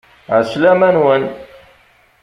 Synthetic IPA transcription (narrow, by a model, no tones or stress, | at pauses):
ʕəslæmænwən